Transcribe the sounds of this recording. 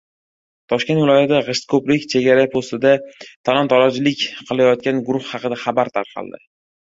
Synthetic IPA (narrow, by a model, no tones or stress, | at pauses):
t̪ʰɒʃkʲet̪vɪlɒjat̪d̪aʁɨʃt̪kʰoplɪkʲt͡ʃʰe̞ɡʲaɾapʰost̪ɪd̪at̪ʰalˠɒnt̪ʰɒlad͡ʒɪlɪkʲqʰɨlˠajɒt̪̚kʲanɡʊɾʊχhɑqɨd̪aχabaɾt̪ʰa̰ɾqʰɑ̰lˠd̪ɪ̰